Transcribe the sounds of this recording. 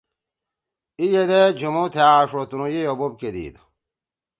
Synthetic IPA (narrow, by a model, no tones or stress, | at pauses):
ijed̪ed͡ʑumut̪ʰeaʂot̪unujejobob̚ked̪ḭd̪